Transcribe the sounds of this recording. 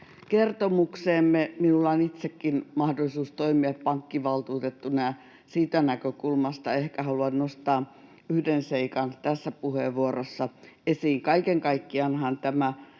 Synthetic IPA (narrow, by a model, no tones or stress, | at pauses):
kert̪omukseːmːeminulːɑonit̪sekːinmɑhdolisuːst̪oimiɑppɑŋkːiʋɑlt̪uːt̪et̪ːunɑjɑ | siːt̪ænækøkulmɑst̪ɑehkæhɑluɑnnost̪ɑː | yhdenseikɑnt̪æsːæpuheʋʋuorosːɑesiːŋkɑikeŋkɑikːiɑnhɑnt̪æmæ